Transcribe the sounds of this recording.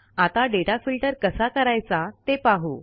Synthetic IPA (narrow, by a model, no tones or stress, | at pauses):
at̪aɖeʈafilʈəɾkəsakəɾajt͡sat̪epaɦo